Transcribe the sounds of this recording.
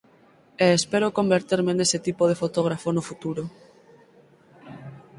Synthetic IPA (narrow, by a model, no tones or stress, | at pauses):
eːspeɾokombeɾt̪iɾmeneset̪ipoð̞efot̪oɣ̞ɾafonofut̪uɾo